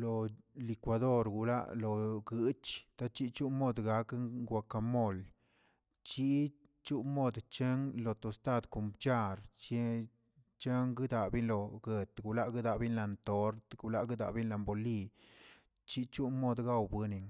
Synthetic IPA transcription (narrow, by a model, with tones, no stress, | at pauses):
lo˨li˨˧kwa˧d̪o˦ɾɡu˨la̰˦ʔlo˨ɡɨ˦t͡ʃt̪a˦t͡ʃi˦t͡ʃu˦mo˦d̪ɡa˧˦kŋɡʷa˧ka˧mo˦˨l | t͡ʃi˦ | t͡ʃu˦mo˦d̪t͡ʃe˦ŋlo˨t̪o˨st̪a˦d̪ko˨mpt͡ʃa˧ɾt͡ʃe˦ | t͡ʃe˦ŋɡɨ˦d̪a˨bi˦nlo˨ɡe˨t̪ɡu˨la˦ʔɡɨ˦d̪a˨bi˦nla˧nt̪o˨˦ɾt̪ɡu˨la˦ʔɡɨ˦d̪a̰˨ʔbi˦nla˧mbo˨li˧ | t͡ʃi˦t͡ʃu˦mo˦d̪ɡa˦wbɨ˧ni˨ŋ